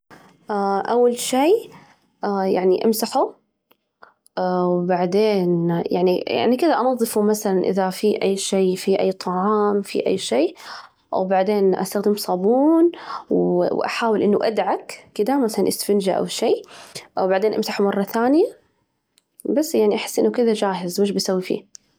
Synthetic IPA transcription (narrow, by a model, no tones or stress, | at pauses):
ʔaʔawːalʃiː | ja̰ʕniʔamsaħu | wbaʕd̪eːnjaʕnija̰ʕnikɪd̪aʔɑnɑðˤːɨfumaθalanʔɪ̰ðafiʔa̰jːʃeːfiʔajːt̪ˤʰɑʕɑːmfḭʔa̰jːʃeː | wbaʕd̪eːnʔa̰st̪axd̪ɪmsˤɑbuːnwwʔa̰ħaːwɪlʔɪnːuʔad̪ʕakkɪd̪amaθalanʔɪsfɪnd͡ʒa̰ʔa̰wʃeːwbaʕd̪eːnʔamsaħumɑrˤːɑθaːnɪja | basːjaʕniʔaħɪ̥sːʔɪnːukɪðad͡ʒaːɦɪzwɪʃ̬bsawːifḭː